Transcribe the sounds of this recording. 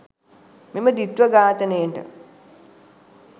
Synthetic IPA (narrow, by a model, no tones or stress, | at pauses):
meməd̪it̪ʋəɡaːt̪ənejɳʈə̰